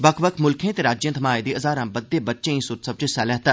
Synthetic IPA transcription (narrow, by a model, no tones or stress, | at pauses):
bəkʰbəkʰmʊlkʰẽːt̪eːɾaːd͡ʒjə̃nt̪ʰmaːed̪iːʔəzaːɾãːbəd̪ːeːbətːʃẽːĩːsʊt̪səb̚t͡ʃʊsaːlɛːɦt̪aː